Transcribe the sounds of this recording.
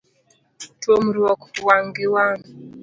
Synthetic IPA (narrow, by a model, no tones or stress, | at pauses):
twomuɾwɔkɔ̥waŋɡiwani